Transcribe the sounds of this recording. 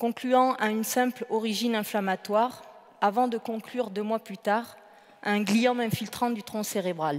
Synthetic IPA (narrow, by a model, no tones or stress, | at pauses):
kɔ̃klyɑ̃ʔaynsɛ̃plɔʁiʒinɛ̃flamat̪waʁ | avɑ̃d̪əkɔ̃klyʁd̪ømwaplyt̪aʁ | ɛ̃ɛ̃ɡlijɑ̃mɛ̃filt̪χɑ̃d̪yt̪χɔ̃seʁebʁal